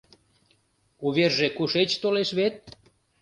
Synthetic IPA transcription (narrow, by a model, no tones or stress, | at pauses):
uβerʒekuʃet͡ɕt̪oleʃβet̪̚